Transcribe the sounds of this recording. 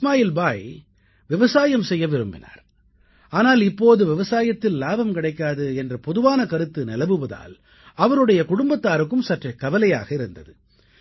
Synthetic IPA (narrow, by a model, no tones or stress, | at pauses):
maːjɪlbaːj | ʋɪʋɐsaːjɐmsɛjːɐʋɪɾɯmbɪ̰na̰ːɾ | aːnaːlɪpːoːðɯʋɪʋɐsaːjɐt̪ːɪllaːbɐmkɪɽɐɪkːaːðɯɛndrɐpɔðɯʋaːnɐkɐɾɯt̪ːɯnɛlɐʋɯʋɐða̰ːl | ɐʋɐɾɯɽɐjɐkʊɽʊmbɐt̪ːaːɾɯkːɯmsɐʈrɐkːɐʋɐlɐja̰ːɣɐɪɾɯnd̪ɐðɯ